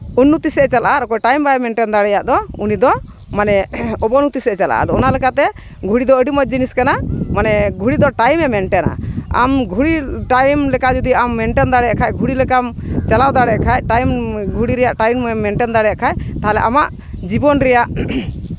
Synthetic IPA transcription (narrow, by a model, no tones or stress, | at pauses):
unːut̪isɛt͡ʃalaʔaɾɔkɔjʈajmbaɛmɛɳʈɛnd̪aɽɛjaʔd̪ɔunid̪ɔ | manɛɔbɔnut̪isɛt͡ʃalaʔa̰d̪ɔɔnalɛkat̪ɛ | ɡʱuɽid̪ɔəɖimɔd͡ʒiniskanamanɛɡʱuɽid̪ɔʈajmɛmɛɳʈɛna̰a̰mɡʱuɽiʈajmlɛkad͡ʒud̪iamːɛɳʈɛnd̪aɽɛjakʰajɡʱuɽilɛkamt͡ʃalawd̪aɽɛkʰajʈajmɡʱuɽiɾɛjaʔʈajmɛmɛɳʈɛnd̪aɽɛjaʔkʰajt̪aɦalɛʔamaʔ | d͡ʒibɔnɾɛjaʔ